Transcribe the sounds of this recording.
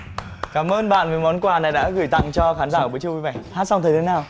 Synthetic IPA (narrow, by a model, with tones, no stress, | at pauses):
kaː˧˩mʔəː˧nɓa̰ː˧˨nməː˨˦jmɔ˨˦nkwaː˨˩na˨˩jɗa̰ː˧˥ɣɨ˧˩jt̪a̰˧˨ŋt͡ɕɔ˧xaː˨˦nzaː˧˩əː˧˩˨t͡ɕu˧ki˧˦və̰˧˩˨jhaː˧˥t̚sa˧wŋ͡mt̪ʰə˨˩t̪ʰːnaː˨˩w